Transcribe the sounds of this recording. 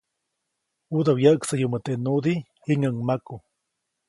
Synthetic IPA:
ud̪awjəksajumət̪eʔnud̪ihiŋəŋmaku

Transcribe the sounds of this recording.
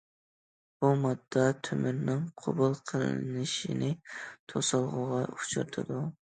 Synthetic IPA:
b̥umɑd̪ːɑt̪ʰømyɾnɪŋqʰo̰bulˠqʰəlˠɨ̰nɨʃinɪt̪ʰosɑlˠʁʊʁɑut͡ʃʰṵɾt̪ʰɨd̪u

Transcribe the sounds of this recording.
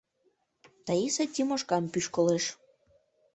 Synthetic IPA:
t̪əisət̪ʲimoʃkɑmpyʃkoleʃ

